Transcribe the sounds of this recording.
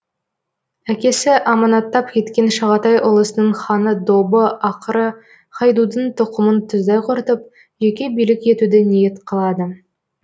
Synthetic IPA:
ækʲe̞sɪʔɑmɑnɑt̪ːɑp̚kʲʰe̞t̪kʲe̞nʃɑʁɑt̪ɑjʔʊlˠəsənəɴχɑnəd̪obəɑqəɾə | qɑjd̪ud̪əɴt̪ʰʊqəmənt̪ʰʏzd̪ɑjqʰʊɾt̪əp̚ | ʒekʲe̞bijlɪkʲje̞t̪ud̪ɪnije̞t̪qʰɑlˠɑd̪ə

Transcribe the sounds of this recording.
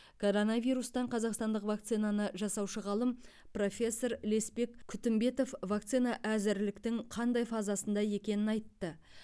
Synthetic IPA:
kʰo̞ɾo̞navʲijɾust̪ɑɴqʰɑzɑqst̪ɑnd̪əqvak̚t̪sijnanəʒɑsɑwʃəʁɑlˠəmpro̞fʲe̞sːo̞ɾle̞spe̞kʲʰʏt̪ɪmbe̞t̪o̞fvakt̪sɨjnɑʔæzɪɾlɪkt̪ɪŋqʰɑnd̪ɑjfɑzɑsənd̪ɑje̞kʲe̞nɪnɑjt̪ːə

